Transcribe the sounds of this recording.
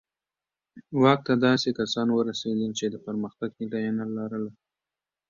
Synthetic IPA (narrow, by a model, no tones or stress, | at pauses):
wɑk̚t̪ad̪ɑsekasɑnwəɾased̪əlt͡ʃed̪əpəɾməxt̪aɡnɪlajanalɑɾəla